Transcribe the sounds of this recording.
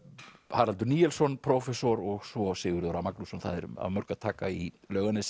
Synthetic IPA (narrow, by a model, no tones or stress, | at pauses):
haːɾhalt̪ʏɾniːjɛlsɔnpʰɾɔfɛsɔɾɔɣsɔsɪːɣʏɾðɔɾamaklusɔnθa̰ðɛɾa̰ðmœɾkaðt̪ʰaːkai | lœːɣanɪs